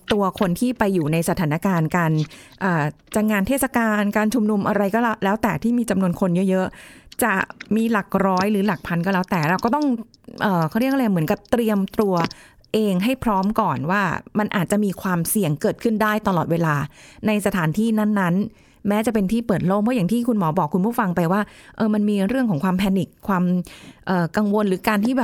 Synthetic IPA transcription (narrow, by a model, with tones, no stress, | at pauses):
t̪u˧ɐkʰo˧nt̪ʰiː˥˩pa˧jːuː˨˩na˧jsa˧aː˩˦na˦˥kaː˧nkaː˧nʔəː˨˩ | t͡ɕa˧ŋaː˧nt̪ʰeː˥˩t̪̚sa˧kaː˧nkaː˧nt͡ɕʰu˧mnu˧mʔa˧ɾa˧jkɔː˥˩llɛː˦˥wt̪ɛː˨˩t̪ʰiː˥˩miː˧t͡ɕa˧mnu˧ənkʰo˧njɤ˦˥ʔjɤ˦˥ʔt͡ɕa˨˩miː˧la˨˩k̚ɾɔː˦˥jɾɯː˩˦la˨˩k̚pʰa˧nkɔː˥˩lɛː˦˥wt̪ɛː˨˩ɾa˧wkɔ˥˩t̪ɔ˥˩ŋ | ʔəː˨˩kʰːɾi˥˩k̚ʰːmɯ˩˦ənka˨˩p̚t̪ɾi˧əmt̪ɾu˧ɐ | ʔeː˧ŋɦa˥˩jpʰɾɔː˦˥mkɔː˨˩nwaː˥˩ma˧nʔaː˨˩t̪̚t͡ɕa˨˩miː˧kʰwaː˧msi˨˩əŋkɤː˨˩t̪̚kʰɯ˥˩ndaː˥˩jt̪a˧lɔː˨˩t̪̚weː˧laː˧na˧jsa˧t̪ʰaː˩˦nt̪ʰiː˥˩na˥˩nːa˦˥n | mɛː˦˥t͡ɕa˨˩pe˧nt̪ʰiː˥˩pɤː˨˩t̪̚loː˥˩k̚mɯ˥˩ja˨˩ŋt̪ʰiː˥˩kʰu˧nmɔː˩˦bɔː˨˩kʰːu˧npʰuː˥˩fa˧ŋpa˧jwaː˥˩ʔɤː˧ma˧nmiː˧ɾɯ˥˩əŋkʰɔː˩˦ŋkʰwaː˧mpʰɛː˧ni˨˩kʰːwaː˧mʔɤː˨˩ka˧ŋwo˧nɾɯː˩˦kaː˧nt̪ʰiː˥˩bɛː˨˩